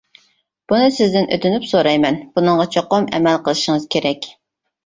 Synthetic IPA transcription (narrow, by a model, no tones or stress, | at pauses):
b̥unɨsɪzd̪ɪnʔøt̪ʰynypsoɾɑjmɛnb̥unɨɴʁɑt͡ʃʰoqomɛ̰mɛlqəlˠɨʃɪŋɨz̥kʲʰeɾɛkʲ